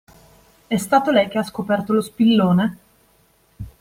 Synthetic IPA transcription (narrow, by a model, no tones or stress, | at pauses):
ɛst̪aːt̪olɛjk̟easkopɛrt̪olospilːoːne